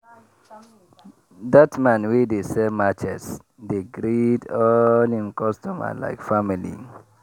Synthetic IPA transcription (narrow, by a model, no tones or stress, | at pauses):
datmãnwedesɛmat͡ʃɛs | deɡɾidɔlĩnkɔstɔma̰la̰ɪkfamilḭ